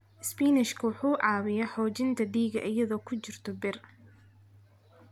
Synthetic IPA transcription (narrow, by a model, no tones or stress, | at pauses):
spiːnɪʃkʰɐwʊħuːʕɑːwɪjɐħɔːt͡ʃɪnt̪ʰɐd̪iːɣɐʔɐjɐðɔːkʰʊt͡ʃɪrt̪ʰɔbɪr